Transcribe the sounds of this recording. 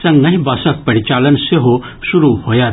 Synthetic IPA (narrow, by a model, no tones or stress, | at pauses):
sɐ̃ŋɐɦĩbaːsɐk̚pɐɽit͡ʃaːlənseɦo | sʊɾuhoːjaː